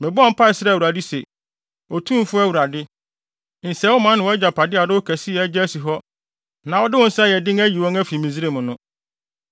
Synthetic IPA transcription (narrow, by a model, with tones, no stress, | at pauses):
mɛ̃˨bʊ˦ɔ˦m̩˦pʰa˦˨sɪ˦ɾa˦˨wu˨ɾa˨di˦se˨ | ɔ˨tʰũ˦m˦fʊ˦æ˦wu˨ɾa˨dɪ˦ | n̩˨sɛ˨˦wʊ˦mã˦nɪ̃˨wɔ˨˦ɛ˦d͡ʑa˨pʰa˨dɪ˦a˨dɪ˦ʊ˦kʰæ˨sɪ˦ɛ˨˦d͡ʑɛ˦æ˦si˨ɦɔ˦ | nã˨wɔ˦dɪ˦wʊ̃˦n̩˦sjɛ˨dɪ̃˦ŋæ˦ji˨wɔ̃˦ŋæ˦fi˨mĩ˨zi˦ɾe˦˨mʊ̃˨nʊ̃˦